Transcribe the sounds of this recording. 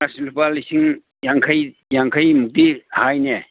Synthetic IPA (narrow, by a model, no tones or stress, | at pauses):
asilupalisʰiŋ | jaŋkʰaj | jaŋkʰajmuk̚t̪ihajne